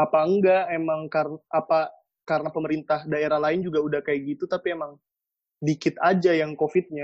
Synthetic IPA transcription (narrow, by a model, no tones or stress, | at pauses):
apaəŋɡaemaŋkarnʔapa | kaɾənapəməɾint̪ahdaeɾahlaɪnd͡ʒuɡaudahkajɡit̪ut̪apiemaŋ | dikɪt̪ad͡ʒajaŋkofɪt̪̚ɲa